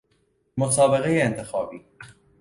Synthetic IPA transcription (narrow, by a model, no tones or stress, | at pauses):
mosɒːbeɣejeːnt̪ʰexɒːbḭː